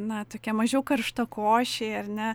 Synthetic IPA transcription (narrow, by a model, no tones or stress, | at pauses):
nɐt̪oːkʲɛmɐʒʲɛʊkɐrʃt̪ɐkoːʃʲeːɐrʲnʲɛ